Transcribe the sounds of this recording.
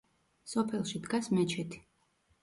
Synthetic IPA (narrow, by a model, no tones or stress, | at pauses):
sɔpʰɛlˠʃid̪ɡasmɛt͡ʃʰɛt̪ʰi̥